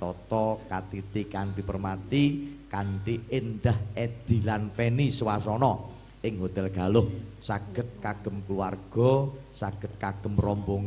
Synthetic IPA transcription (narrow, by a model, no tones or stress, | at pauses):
t̪ɔt̪ɔkat̪it̪ikand̪ipərmat̪ikanʈiɪnd̪ahɛd̪̥i̤lanpɛniswasɔnɔ | ɪŋɦot̪ɛlɡ̥a̤lʊhsaɡ̥ə̤t̪̚kaɡ̥ə̤mkluarɡ̥ɔ | saɡ̥ə̤t̪̚kaɡ̥ə̤mrɔmboŋ